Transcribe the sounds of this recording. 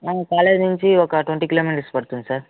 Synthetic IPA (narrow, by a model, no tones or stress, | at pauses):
aːkaːlenɪɲt͡ʃiɔkːɐʈʊʋɐɳʈikɪloːmiːnʈspɐɽɯt̪ːunsaːɾ